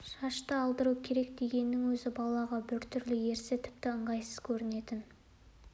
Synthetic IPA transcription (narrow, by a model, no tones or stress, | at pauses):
ʃɑʃt̪əɑlˠd̪əɾukʲʰe̞ɾe̞k̚d̪e̞ɡʲe̞nːɪŋwɵzɪbɑlˠɑʁɑbɪɾt̪ʰʏɾlɪje̞ɾsɪt̪ʰɪ̥p̚t̪ɪəɴʁɑjsəz̥kʲʰɵɾɪne̞t̪ɪn